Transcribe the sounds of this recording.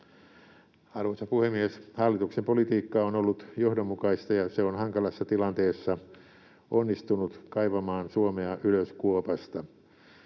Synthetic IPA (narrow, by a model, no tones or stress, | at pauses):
ɑrʋosɑpuhemːieshɑlːit̪uksempolit̪iːkːɑonolːut̪johdomːukɑist̪ɑjɑseonhɑŋkɑlɑsːɑt̪ilɑnt̪eːsːɑ | ʔonːist̪unut̪kɑiʋɑmɑːnsuomeɑʔyløskuopɑst̪ɑ